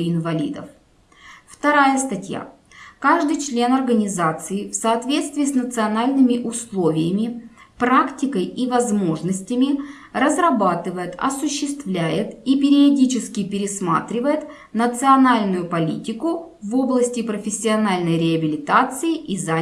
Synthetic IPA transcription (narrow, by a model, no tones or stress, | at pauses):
ɪnvɐlʲḭd̪ə̰f | ft̪ɐɾajəst̪ɐtʲja̰ | kaʐd̪ɨjt͡ɕlʲe̞nɐrɡənʲɪzat̪sɨɪfsɐːt̪vʲe̞t̪st̪vʲiːsnət̪sɨɐnalʲnɨmʲɪʔʊslˠo̞vʲɪjəmʲɪ | pɾaktʲɪkəjivɐzmo̞ʐnəsʲtʲɪmʲɪ | rəzrɐbat̪ɨvəjɪt̪ɐ̰sʊɕːɪst̪vlʲæjɪt̪ipʲɪɾʲɪɐdʲit͡ɕɪskʲɪpʲɪɾʲɪsma̰t̪ɾʲɪvəjɪt̪ | nət̪sɨɐnalʲnʊjʊpɐlʲḭtʲɪkʊ | vo̞blˠəsʲtʲɪpɾəfʲɪsʲːɪɐnalʲnəjɾʲɪɐbʲɪlʲɪt̪at̪sɨɪʔiza